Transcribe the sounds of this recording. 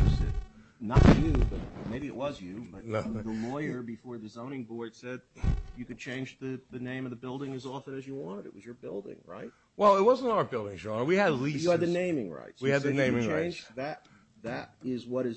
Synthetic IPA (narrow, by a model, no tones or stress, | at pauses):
sɨ̰ | nətʰɨjʉbʌt̚meɪbiɨʔ̚wʌzjʉbʌt̪ðəlɔɪə˞bɨfɔɹðɨzõʊ̃ñɪ̃ŋbɔɹd̥sɛd̚jɨkɨd̚t͡ʃʰẽɪ̃nd͡ʒðɨðɨnẽɪ̃mʌðɨbɪlˠdɪ̃ŋɨzɔfɨ̃nɨzjɨwɑ̃ñtɨɾɨ̰t̚wʌzjə˞bɪ̰lˠdɪ̰̃ŋɹa̰ɪt̚ | wɛlˠɪt̚wʌzə̃n̩taʊə˞bɪlˠdɪ̃ŋʒɑmə˞wiɨdˡlisjɨɨd̪̚ðɨnẽɪ̃mɪ̃ŋɹa̰ɪtswiɨd̪ðɨnẽɪ̃mɪ̃ŋɹẽɪ̃nd͡ʒðɨɾ | ðɨɾɪzwʌɾɨz